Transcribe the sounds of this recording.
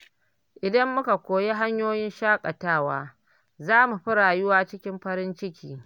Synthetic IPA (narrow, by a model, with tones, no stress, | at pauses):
ʔɪ˨dɐ˦mːʊ˦ka˨kʷoː˨je˦ɦa˦ɲjoː˦jɪ˦nʃaː˦kʼɐ˨taː˦˨waː˦ | zaː˦mu˨ɸɪ˦ɽaː˨jʊ˦waː˦t͡ʃɪ˦kʲɪ˦mɸɐ˦ɾɪ˦nt͡ʃɪ˦kʲʰiː˨